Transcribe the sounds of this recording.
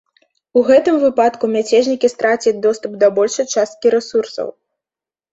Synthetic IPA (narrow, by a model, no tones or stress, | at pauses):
uɣɛt̪ɨmvɨpat̪kumʲat͡sʲɛʐnʲikʲist̪ɾat͡sʲid͡zʲd̪ɔst̪upd̪ɐbɔlʲʂɐjt͡ʂast̪̚kʲiɾɛsursɐ̰w